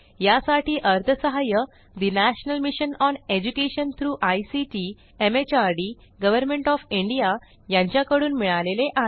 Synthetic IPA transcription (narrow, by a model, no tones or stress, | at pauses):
jasaʈiːʔəɾt̪ʰəsəɦajə | d̪inæɕnəlmiɕənɔned͡ʑukeɕənt̪ʰɾuːʔajsit͡ɕi | emet͡ɕaɾɽiːɡəʋəɾmeɳʈɔfiɳɖija | jãɲt͡ɕjakəɽuːnmiɭaleleʔa